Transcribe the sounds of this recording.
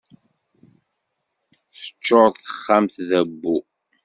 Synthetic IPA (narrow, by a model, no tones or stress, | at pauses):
θə̥t͡ʃːoɾˤðθə̥χːamθðæbːu